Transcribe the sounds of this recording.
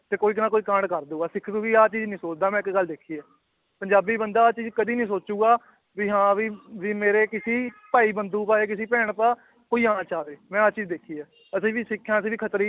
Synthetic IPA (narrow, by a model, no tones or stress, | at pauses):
t̪eːkoːiːknãːkoːiːkãːɳɖkəɾd̪uːaːsɪkʰd̪uːʋiːaːt͡ʃiːd͡ʒnĩːsoːt͡ʃd̪aːmɛ̃ːɪkɡəld̪eːkʰiːɛː | pəɲd͡ʒaːbiːbənd̪aːaːt͡ʃiːd͡ʒkəd̪iːnĩːs̬oːt͡ʃuːɡaː | biːɦãːʋiːʋiːmeːɾeːkɪsiːpaːiːbənd̪uːpaːeːkɪsiːpɛːɽpaː | koːiːaːaːt͡ʃaːʋeːmɛ̃ːaːt͡ʃiːd͡ʒd̪eːkʰiːɛː | əsĩːʋiːsɪkʰːjãːəs̬ĩːʋiːkʰət̪ɾiː